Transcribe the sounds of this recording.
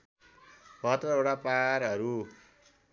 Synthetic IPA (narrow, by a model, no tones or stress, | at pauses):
bʱʌt̪rʌeʈapaɾʌɾu